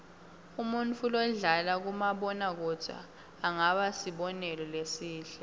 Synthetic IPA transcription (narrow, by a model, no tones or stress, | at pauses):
umunt͡fʰulɔɮalak̬umaɓɔnak̬ɔd̥ʰʱa̰ː | ŋaɓasiɓɔnɛlɔlesiːɬɛ